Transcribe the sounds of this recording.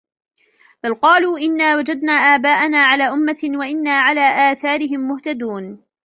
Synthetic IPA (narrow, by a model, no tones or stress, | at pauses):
balqɑːluːʔɪnːaːwad͡ʒad̪naːʔaːbaːʔanaːʕalaːʔʊmːawaʔɪnːaːʕalaːʔaːθaːɾɪɦɪmːʊht̪ad̪uːn